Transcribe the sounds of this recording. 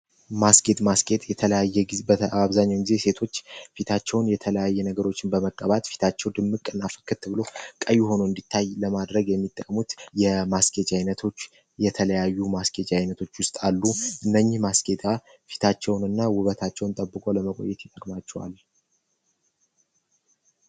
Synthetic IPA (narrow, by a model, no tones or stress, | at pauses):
maskʼe̞t̪ʼmaskʼe̞t̪ʼjɛt̪ʰələjajːɛɡibəaβzaɲːawɡize̞se̞t̪ʰo̞t͡ʃːfit̪ʰat͡ʃːɛwnjɛt̪ʰələjajːɛnəɡəɾo̞t͡ʃːɪnbəməkʼːəβat̪ʼfi̥t̪ʰat͡ʃːɛwd̪ɨmːɨkʼːɨnːafə̥kːɨt̪ʰːɨβɨlo̞kʼəjːuho̞noɨnd̪it̪ʰːajləmad̪ɾəɡjɛmːit̪ʼːəkʼmut̪jɛmaskʼet͡ʃʼajnət̪ʰo̞t͡ʃː | jɛt̪ʰələjajːumaskʼet͡ʃʼajnət̪ʰo̞t͡ʃːwʊst̪ʼalːuʔɨnːəɲːɪhmaskʼe̞t̪ʼa | fi̥t̪ʰat͡ʃːɛwnɨnːawʊβət̪ʰat͡ʃːɛwnt̪ʼəbːɨkʼo̞ləməkʼo̞̰jːɛt̪jɛt̪ʼəkʼmat͡ʃːɛwa̰l